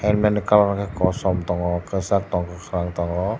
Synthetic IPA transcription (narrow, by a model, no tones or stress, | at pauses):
ɛnmɛnikalanakəkɔsɔmt̪ɔŋɔkəsak̚t̪ɔŋkɔkɾaŋt̪ɔŋɔ